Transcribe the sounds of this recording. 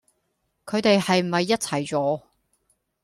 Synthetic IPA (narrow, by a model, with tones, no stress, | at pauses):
kʰɵ˨˧ɥt̪e˨jhɐ˨jm̩˨˩hɐ˨jːɐ˥t̚t͡sʰɐ˨˩jt͡sɔː˨˧